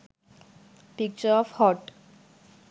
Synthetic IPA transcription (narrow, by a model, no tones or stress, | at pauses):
pik̚t͡ʃəɾɔfhɔʈ